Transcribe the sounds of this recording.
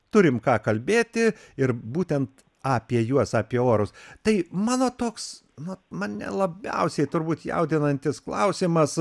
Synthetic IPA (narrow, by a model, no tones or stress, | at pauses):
t̪ʊɾʲɪmkɑːkɐlʲbʲeːt̪ʲɪɪɾbuːt̪ʲɛnt̪ | ɑːpʲiɛjuɔsɑːpʲiɛoːɾʊst̪ɐɪmɑːnoːt̪oːks | nʊmɐnnʲɛ̰lˠɐbʲɛ̰ʊsʲɛɪt̪ʊɾbuːt̪jɛ̰ʊd̪ʲɪnɐnʲt̪ʲɪsklˠɐʊsʲɪmɐs